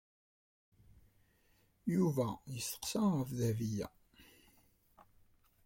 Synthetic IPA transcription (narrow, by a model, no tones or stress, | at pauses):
juvæjəsə̥qsæʁəfðævijæ̰